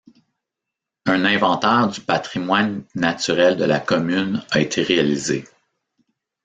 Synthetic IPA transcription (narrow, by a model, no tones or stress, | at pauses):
ə̃nɛ̃vɑ̃t̪ɛːʁd̪ypat̪ʁimwanːat͡syʁɛld̪əlakɔmynʌet̪ʰeʁealizḛ